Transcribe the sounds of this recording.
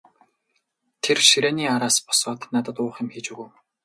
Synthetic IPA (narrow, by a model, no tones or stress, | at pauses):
t̪ʰerʃiɾæːniːaɾaːspɔ̥sɔːt̪nat̪ə̆t̪ʊːχɪ̆mxiːt͡ɕuɣuː